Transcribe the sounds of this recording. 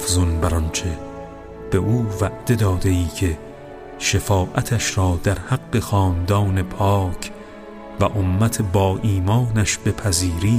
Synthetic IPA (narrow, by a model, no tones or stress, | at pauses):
fzonbæɾɒnt͡ʃʰe̞ | b̥e̞ʔuːvæʔd̪̥e̞d̪ɒːd̪eiːkʰe̞ | ʃefɒːʔæt̪ʰæʃɾɒːd̪æɾhæɡːe̞xɒːnd̪ɒːne̞pʰɒːkʰ | væʔomːæt̪ʰe̞bɒːʔiːmɒːnæʃbe̞pʰæziːɾiː